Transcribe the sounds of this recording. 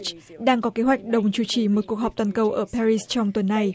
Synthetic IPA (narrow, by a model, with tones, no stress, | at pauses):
t͡ɕɗaː˧ŋkɔ˨˦ke˨˦ɦwa˨˩jk̟̚ɗə˨˩wŋ͡mt͡ɕu˧˩t͡ɕi˧˩mo˨˩t̚ku˨˩ək̚ɦɔ˨˩k͡p̚t̪waː˨˩nkə˧wʔəː˧˩pa˧ɹi˧st͡ɕɔ˧wŋ͡mt̪wə˨˩nːa˨˩j